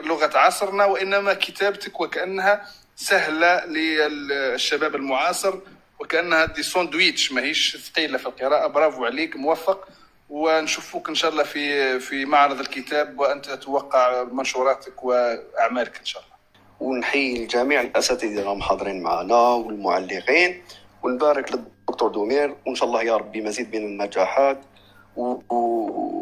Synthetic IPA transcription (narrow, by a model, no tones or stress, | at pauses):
lʊɣat̪ʕɑsˤəɾˤnɑwʔənːæmækət̪æbt̪əkwəkæʔənːhæ | sæhlalə | ʃːæbæːbəlmʊʕɑsˤəɾ | wəkæʔənːhæd̪isˤund̪wit̪əʃmæhiʃt̪qiːlafilqəɾˤɑʔabɾˤɑvʕlikmʊwæfːɑq | wənʃufukʔənʃæʔlˤːɑfifimaʕɾˤɨd̪ˤəlkət̪æbwʔənt̪æt̪wɑqːɑʕmənʃuɾˤɑt̪əkwəʔaʕmæləkʔənʃæʔlˤːɑ | wənħijəlʒæmiʕəlʔæsæt̪id̪inæmħɑd̪ˤɾinmaʕa̰næwəlmʊʕalːəqin | wənbæɾəkləbʊkt̪ˤuɾd̪umiɾwənʃæʔlˤːɑhjɑɾˤɑbːimæzid̪̚minənːæd͡ʒaħat̪ | w